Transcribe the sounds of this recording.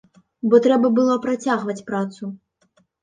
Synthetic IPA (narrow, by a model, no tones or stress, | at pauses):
bɔt̪ɾɛbɐbɨlˠɔpɾat͡sʲaɣvɐt͡sʲpɾat̪su